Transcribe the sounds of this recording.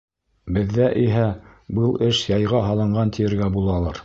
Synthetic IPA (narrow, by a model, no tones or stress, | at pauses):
bɘ̆ðːæʔiɦæ | bɤlˠɘʃjɑjʁɑɦɑlˠɤ̆ɴɢɑnt̪ʰijɘ̆ɾɡæbulˠɑlˠɑɾ